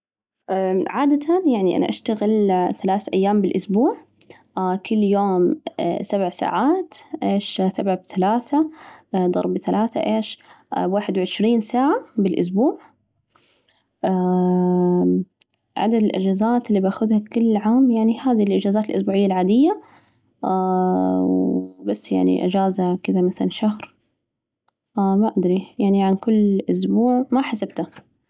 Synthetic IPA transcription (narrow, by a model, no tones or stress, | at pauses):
ʔaʕaːd̪at̪ʰanjaʕniʔa̰na̰ʔaʃt̪aɣɪlθalaːθʔajːaːmbɪlʔʊsbuːʕ | kʰʊlːjoːmsabʕsa̰ːʕaːt̪ʔeːʃsabʕabθalaːθad̪ˤɑ̰ɾˤbθalʔaːθa̰ʔeːʃ | waːħɪd̪wʕɪʃɾiːnsaːʕabɪlʔʊ̰s̬buːʕ | ʔa | ʕa̰d̪ad̪ɪlʔad͡ʒaːzaːt̪ɪlːiːbaxʊðhakʊlːʕaːmjaʕnihaːðilʔɪd͡ʒaːzaːt̪ɪlʔʊsbuːʕɪjːalʕaːd̪ɪjːa | wbasːja̰ʕnḭʔɪ̰d͡ʒaːzakɪd̪amaθala̰nʃahɾ | ʔamaʔad̪ɾijaʕniʕankʊlːʔʊs̬buːʕmaħasab̚t̪a